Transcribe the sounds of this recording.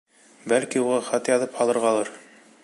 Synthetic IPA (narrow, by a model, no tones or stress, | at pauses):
bælkiuʁɑχɑt̪jɑðɤphɑlˠɤ̆ɾʁɑlˠɑɾ